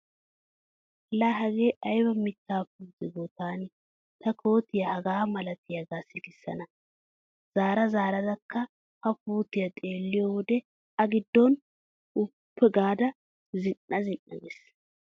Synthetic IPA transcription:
laɦɐɡeːʔɐjbɐmɪt̪ːaːpuːzɪɡɔt̪aːn | t̪ɐkʰo̞ːt̪ɪjɐhɐɡaːmɐlɐt̪ɪjɐɡaːsɪɡɪsːɐ̰nɐ | z̥aːɾɐzaːɾɐd̪ɐkːɐ | hɐpuːt̪ɪjɐt̪ʼeːlːɪjɔwɔd̪ɛ | ɐɡɪd̪ːɔn | ʊpːɛɡaːd̪ɐ | zɪnːɐzɪnːɐ̰ɡɛs

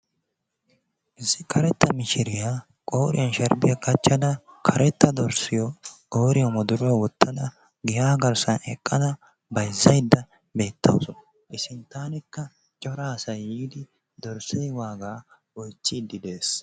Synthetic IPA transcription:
ʔɪzɪkʰɐɾɛt̪ːɐmɪʃɪɾɪja | kʼo̞ːɾɪ̰jɐnʃɐɾbɪjɐɡɐt͡ʃːɐd̪ɐkʰɐɾɛt̪ːɐd̪ɔɾsɪjɔ | o̞ːɾɪjɐmɔd̪ʊɾɔɐwɔt̪ːɐd̪ɐ | ɡɪjaːɡɐɾsɐnɛ̰kʼːɐd̪ɐ | bɐjzːɐjd̪ːɐ | be̞ːt̪ʰːɐ̰wsɔnɐ | ʔɪsɪnt̪aːnɪkːɐ | t͡ʃʼɔɾaːsɐjiːd̪ɪ | d̪ɔɾsɛjwaːɡaːwɔjt͡ʃːiːd̪ːɪd̪eːs

